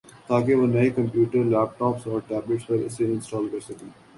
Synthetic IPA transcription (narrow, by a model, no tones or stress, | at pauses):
t̪aːkeʋɐnɐikɐ̃mpjuːʈəɾlɛːpʈɔːpsɔːɾʈɛːblɪʈsʋɐɾɪseɪ̃nsʈɔːlkɐɾsɐkẽː